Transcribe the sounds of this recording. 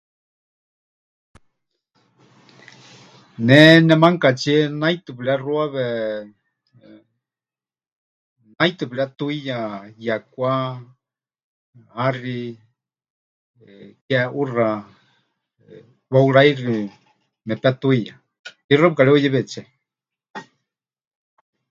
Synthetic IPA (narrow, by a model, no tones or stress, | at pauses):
nɛnɛmaŋkat͡ʃiɛnajt̪ɨpiɺɛruaβɛ | najt̪ɨplɛat̪uijajakʷa | ari | kɛura | wauɺairi | mɛpat̪uija | irapkaɺɛujɛβɛt͡ʃɛ